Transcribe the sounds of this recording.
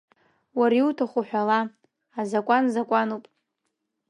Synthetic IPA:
waɾiwtʰaχʷuħʷᶣala | azakʷʼanzakʷʼanupʼ

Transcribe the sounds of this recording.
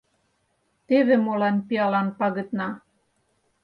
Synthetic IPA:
t̪eβĕmolɑnpiɑlɑnpɑɣə̆t̪nɑ

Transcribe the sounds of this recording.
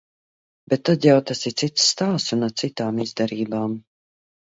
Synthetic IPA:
bet̪ːad̪jawt̪asit̪sit̪sːt̪aːsunatsit̪aːmizd̪aɾiːbaːm

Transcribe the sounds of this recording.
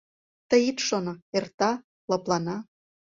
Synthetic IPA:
t̪əjit̪ʃonoert̪ɑ | lɑplɑnɑ

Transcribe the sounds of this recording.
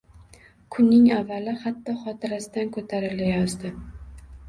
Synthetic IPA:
kʰʊnːɪŋavːalɪhat̪ːɒχɒt̪ʰɪɾasɪd̪ankʰɵt̪ʰaɾɪlɪjɒzd̪ɪ

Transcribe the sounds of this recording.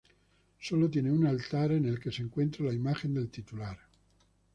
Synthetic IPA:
soːlot̪̬jɛːneunalt̪aːɾenelkesiŋkwent̪ɾalaimad͡ʒend̪elt̪it̪ulaːɾe

